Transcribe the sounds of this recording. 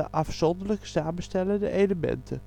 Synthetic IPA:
əʔɑfsɔndələksaːməstɛləndə̰ʔejləmɛ̰ntʰə

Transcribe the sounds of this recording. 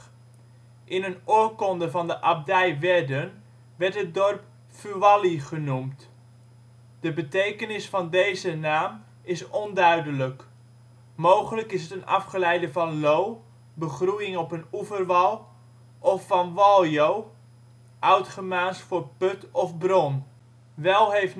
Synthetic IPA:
ʔɪnənoːkɔndəvɑndəʔɑb̚dɛjʋɛdən | ʋɛɹtɦət̚dɔrp̚ | fyʋɑliχənumt | d̥əbətejkənɪsfɑndejzənaːm | ɪsɔndœɥdələk | mowχələkɪsətənɑ̰fχəlɛjdəvɑnlow | bəχrujɪŋɔpənuvərʋɑlˠ | ʔɔfɑnʋɑlˠjow | ʔœɥtχəmaːnsfʊːrpɵtɔfbrɔn | ʋɛlˠɦejft

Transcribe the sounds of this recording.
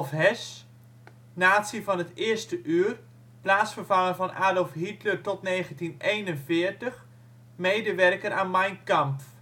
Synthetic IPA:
fɦɛs | naːtsivɑnətɪərstəʔyːər | plaːsfərvɑŋərvɑnʔaːdəlˠfɦitlətɔtneːχəntinejnənfɪəɹtəx | mejdəʋɛrkəɾʔaːnmajnkampf

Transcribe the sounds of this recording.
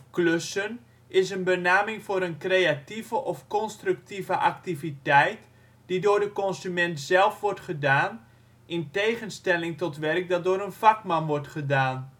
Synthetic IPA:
kløsən | ɪsənbənaːmɪŋfoːɾənkrejativəʔɔfkɔnstrʉk̚tivəʔaktivitɛjt | d̥idoːɹdəkɔnsymɛntzɛlˠfʋɔrtχədaːn | ʔɪntejχənstɛlɪŋtɔtʋɛrk̚dɑt̚doːɾənfakmɑnʋɔrtχədaːn

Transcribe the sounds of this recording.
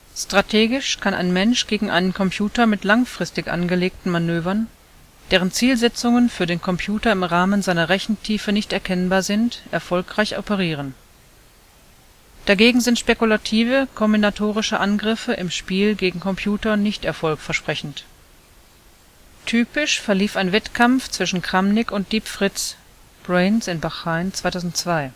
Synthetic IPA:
stʁ̥atʰeːɡɪʃkʰanʔa̰ɪnmɛnʃɡ̥eːɡŋ̩ʔa̰ɪnənkʰɔmpʰjuːtɐmɪtlaŋfʁ̥ɪstɪçʔa̰nɡəleːk̚tn̩manøːvɐn | d̥eːʁənt͡siːlzɛt͡sʊŋənfyːɐdeːnkʰɔmpʰjuːtɐɪmʁaːmənzaɪnɐʁɛçn̩tʰiːfənɪçtɛɐkʰɛnbaːɐzɪntʔɛɐfɔlkʁ̥aɪçɔ̰pəʁ̞iːʁ̞ən | d̥aɡeːɡŋ̩zɪntʃpekulatʰiːvəkʰɔmbinatʰoːʁɪʃəʔanɡʁɪfəʔɪmʃpiːlɡeːɡŋ̩kʰɔmpʰj̥uːtɐnɪçtɛɐfɔlkfɛɐʃpʁ̥ɛçn̩t | tʰyːpɪʃfɛɐliːfaɪnvɛtkʰamft͡sv̥ɪʃn̩kʁ̥amnɪkʊnt̚d̥iːpfʁ̥ɪt͡s | b̥ʁeɪnsɪnbaχaɪnt͡sv̥aɪtʰaʊzn̩tt͡sv̥aɪ

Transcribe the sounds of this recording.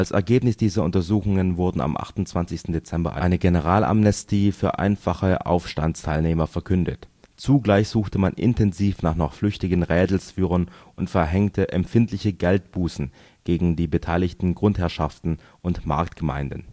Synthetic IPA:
ʔalsɛ̰ɐɡeːpnɪsd̥iːzɐʊntɐzuːxʊŋənvʊɐdn̩a̰mʔa̰χtʊnt͡sv̥ant͡sɪçstn̩det͡sɛmbɐ̰ʔa̰ɪnəɡenəʁ̞aːlʔa̰mnɛstʰiːfyːɐʔa̰ɪnfaχəʔa̰ʊfʃta̰nstʰaɪlneːmɐfɛɐkʰʏndətt͡suːɡlaɪçz̥uːxtəmanʔɪ̰ntʰɛnziːfnaːχnɔχflʏçtɪɡənʁɛːdl̩sfyːʁ̞ənʔʊntfɛɐɦɛŋtʰəʔɛmpfɪntlɪçəɡɛlt̚b̥uːsn̩ | ɡ̥eːɡŋ̩diːbətʰaɪlɪçtn̩ɡʁʊnthɛɐʃaftn̩ | ʔʊntmaɐktɡ̥əma̰ɪndn̩

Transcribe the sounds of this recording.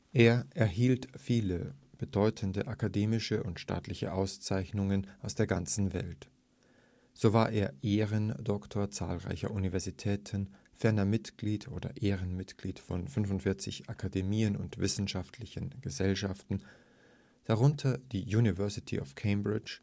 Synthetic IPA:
ʔeːɐʔɛɐɦiːltfiːləb̥ədɔʏtʰəndəʔakʰadeːmɪʃəʊntʃta̰ːtlɪçə̰ʔaʊst͡saɪçnʊŋənʔaʊsd̥eːɐɡant͡sn̩vɛ̰lt | z̥oːvaːɐʔeːɐʔeːʁəndɔktʰoːɐt͡sa̰ːlʁa̰ɪçɐ̰ʔunivɛɐzitʰɛːtʰən | fɛɐnɐmɪtɡ̥liːtʰʔo̰ːdɐ̰ʔeːʁənmɪtɡ̥liːtfɔnfʏnfʊntfɪɐt͡sɪ̰çʔakʰademiːənʊ̰ntv̥ɪsn̩ʃaftʰlɪçən̩ɡ̥əzɛlʃaftn̩ | d̥aʁʊntʰɐd̥iːjuːnivɛɐsɪtʰḭʔɔ̰fkʰeɪmbʁɪt͡ʃ

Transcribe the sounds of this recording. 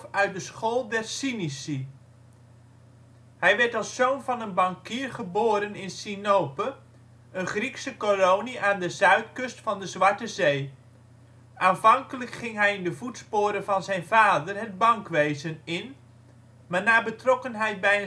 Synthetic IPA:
œɥt̚dəsχoːlˠdɛɹsinisi | hɛjʋɛɹtɑlˠsːownvɑnənbɑŋkiːɹχəboːɾənɪnsinowpə | ənχriksəkolowniʔaːndəzœɥtkɵstfɑndəzʋɑɹtəzej | ʔaːnvɑŋkələkχɪŋɦɛjɪndəvutspoːɾəvɑnzɛjnvaːdərɦəd̚bɑŋkʋejzənɪn | maːɹnaːɹbətrɔkənɦɛjt̚bɛjə

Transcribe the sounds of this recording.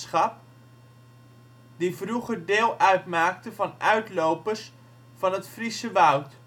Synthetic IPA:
sχɑp̚ | divruχərdɪːlˠœɥtmaːktəvɑnœɥtlowpərs | fɑnɦətfrisəʋʌwt

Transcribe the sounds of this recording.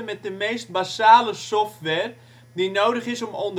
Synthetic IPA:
əmɛt̚dəmejst̚basaːləsɔftʋɛːr | dinowdəχɪsɔmɔnd

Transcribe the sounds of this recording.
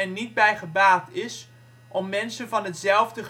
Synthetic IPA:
ɛnːid̚bɛjχəbaːtɪs | ʔɔmːɛnsənvɑnɦətzɛlˠvdəχ

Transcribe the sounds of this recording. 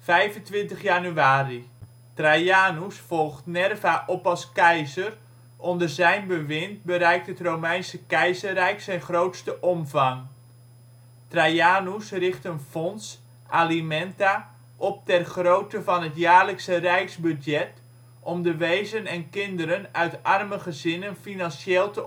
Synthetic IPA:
fɛjvəntʋɪntəχjanyaːri | trajaːnusfɔlˠχtnɛrvaʔɔpɑlˠskɛjzər | ʔɔndərzɛjnbəʋɪnt̚bəɾɛjk̚thətrowmɛjnsəkɛjzərrɛjksɛjnχrowtstəʔɔmvɑŋ | trajaːnusrɪχtənfɔns | ʔalimɛnta | ʔɔp̚tɛrχrowtəvɑnɦətjaːrləksərɛjksbydjɛt | ʔɔmdəʋejzənɛnkɪndəɾənœɥtɑrməχəzɪnənfinɑnʃeːlˠtə

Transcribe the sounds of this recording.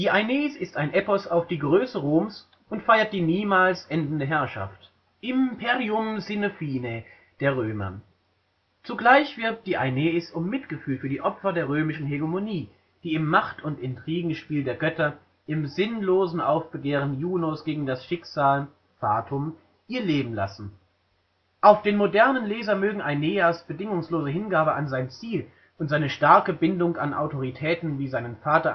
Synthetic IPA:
d̥iːʔaɪneːsɪstaɪnʔɛpɔsaʊfd̥iːɡʁøːsəʁoːms | ʊntfaɪɐt̚d̥iːniːmaːlsʔɛndn̩dəɦɛɐʃa̰ft | ʔɪmpʰeːʁiʊmzɪnofiːne | d̥eːɐʁ̞øːmɐ̰ | t͡suɡlaɪçv̥ɪɐp̚t̚d̥iːʔaɪneːsʊmːɪtɡ̥əfyːlfyːɐdiːʔɔpfɐdeːɐʁøːmɪʃn̩ɦɛɡemoniː | d̥iːɪmːaχtʊntɪntʁ̥iːɡŋ̩ʃpiːldeːɐɡœtɐ | ʔɪmzɪnloːzn̩ʔaʊfb̥əɡeːʁ̞ənjuːnosɡ̥eːɡŋ̩dasʃɪkz̥aːl | faːtʰʊm | ʔiːɐleːbm̩la̰sn̩ | ʔaʊfd̥eːnmodɛɐnənleːzɐmøːɡŋ̩ʔaɪneːaːsb̥ədɪŋʊŋsloːzəɦɪnɡaːbəʔanzaɪnt͡siːl | ʔʊntz̥aɪnəʃtaɐkəbɪndʊŋanʔa̰ʊtʰoʁ̞itʰɛːtn̩viːzaɪnənfaːtɐ

